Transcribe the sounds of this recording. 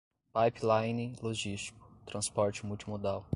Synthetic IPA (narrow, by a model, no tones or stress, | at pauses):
pajplajnĩloʒist͡ʃi̥kʊ̥t̪ɾɐ̃spɔɾt͡ʃɪmuwt͡ʃimod̪aw